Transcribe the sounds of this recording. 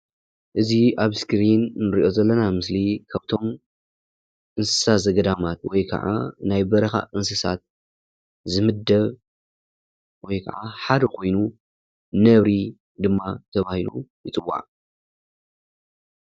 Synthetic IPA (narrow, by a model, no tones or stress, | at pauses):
ʔɨziaβskɾinːɨɾiʔo̞zɐlːɐnamɨslikʰaβt̪ʰo̞m | ʔɨnsɨ̥sazɐɡɐd̪amat̪wɔjkʰɐ̰ʕa̰najbɐɾɐxa̰ʔɨnsɨsa̰t̪̚ | zɨmɨd̪ɐβ | wɔjkʰɐ̰ʕaħad̪ɐkʰo̞jnu | nɐβɾi | d̪ɨmːat̪ʰɐβahilṵjɪt͡sʼɨwːa̰ʕ